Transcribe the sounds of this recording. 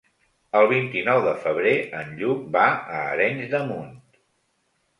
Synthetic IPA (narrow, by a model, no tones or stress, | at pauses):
əlˠβ̞int̪inɔwðəfəβ̞ɾeənʎukbaəːɾɛɲzðəmunt̪